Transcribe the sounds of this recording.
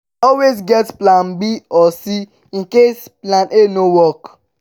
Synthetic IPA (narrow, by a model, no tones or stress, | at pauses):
ɔlwezɡɛtplãnbiɔsi | ĩnkesplanʔenowɔk